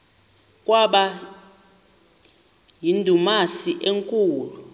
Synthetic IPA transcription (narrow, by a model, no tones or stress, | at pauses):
kʼwaɓa | jindʱumasiʔeŋkʼuːlu